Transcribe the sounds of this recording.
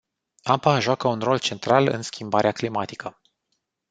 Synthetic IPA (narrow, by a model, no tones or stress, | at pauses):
apaʒoakəunro̞lt͡ʃe̞nt̪ɾalɨ̰nskʲimbaɾeaklimat̪i̥kə